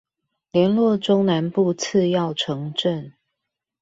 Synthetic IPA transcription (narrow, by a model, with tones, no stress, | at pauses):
ljɛ˨˧˦nlwɔ˥˩ʈ͡ʂo˥ŋna˧˦npu˥˧t͡s̩ʰ˥˧jɑ˥˨ʊʈ͡ʂʰɤ˧˦ŋʈ͡ʂə˥˨n